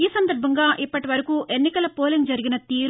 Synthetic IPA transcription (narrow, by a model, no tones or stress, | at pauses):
iːsɐnd̪ɐɾbʱɐŋɡaːʔipːɐʈiʋɐɾɐkuːʔe̞nːikɐlɐpoːlɐŋd͡ʒɐɾiɡinɐt̪iːɾ